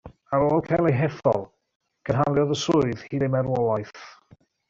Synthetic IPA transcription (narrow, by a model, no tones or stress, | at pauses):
aɾoːlˠkʰajlˠejɦɛθɔ̰lˠ | kʰənɦalˠjɔðəsʊɨð̥hiːdemɛɾwɔlˠajθ